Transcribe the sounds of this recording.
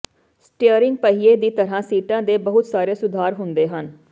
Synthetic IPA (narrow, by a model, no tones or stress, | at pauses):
sʈeəɾɪ̃ŋɡ̚pəɦiːeːd̪iːt̪əɾãːsiːʈãːd̪eːbəɦʊt̪saːɾeːsʊd̪ʱaːɾɦʊnd̪eːɦən